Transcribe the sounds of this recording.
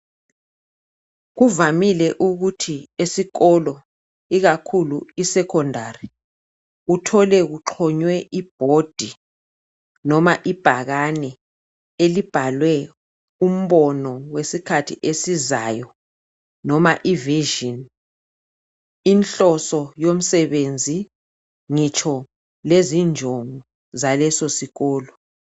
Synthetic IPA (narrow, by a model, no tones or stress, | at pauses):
ɣuvamilɛʔuɣutʰiesikɔlɔ | iɣakʰuluisɛkʰɔndʱari | utʰɔlɛɣuǁʰɔɲwɛʔib̥ʱod̥ʱi | nɔmaʔib̥ʱaɣanɛ | elib̥ʱalwɛ | um̩βɔnɔwesikʰatʰḭʔesizaːjɔ | nɔmaʔiviʒin | inɬɔsɔjom̩sɛβend͡zʱi | ŋit͡ʃʰɔ | lezind͡ʒʱoŋu | zalɛsosiɣɔːlɔ